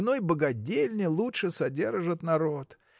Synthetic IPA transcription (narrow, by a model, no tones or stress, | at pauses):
nojbəɡɐdʲelʲnʲɪlˠutʂɨsɐdʲe̞rʐɨt̪nɐɾot̪